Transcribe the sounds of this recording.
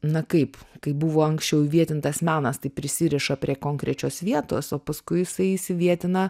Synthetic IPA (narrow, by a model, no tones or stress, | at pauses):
nɐkɐɪpkɐɪbuʋoːɐŋksʲt͡ʃʲɛʊiʋʲiɛt̪ʲɪnt̪ɐsmʲæːnɐst̪ɐɪpʲɾʲɪsʲɪɾʲɛʃɐpʲɾʲiɛkoːŋkɾʲɛt͡ʃʲoːsʋʲiɛt̪o̰ːsoːpɐskʊɪjɪsɐɪɪsʲɪʋʲiɛt̪ʲɪnɐ